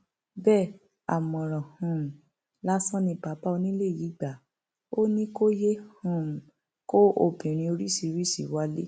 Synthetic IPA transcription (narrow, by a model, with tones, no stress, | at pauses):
bɛ˦˨ | a̰˨mɔ̃˨ɾ̃ɔ̃˨hũ˨ | la˦sɔ̃˦nĩ˧pa˨˦pa˦o˧nĩ˦le˦˨ji˨˦ɡ͡ba˨ | o˦nĩ˦ko˦je˦hũ˦˨ | ko˦ʔo˦˨bĩ˨ɾ̃ĩ˧o˧ɾi˦si˧˨ɾi˦sḭ˨wa˨˦le˦